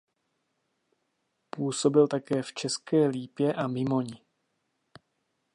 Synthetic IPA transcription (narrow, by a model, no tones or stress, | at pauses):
puːso̞bɪlt̪akɛːft͡ʃɛskɛːliːpjɛʔamɪmo̞ɲɪ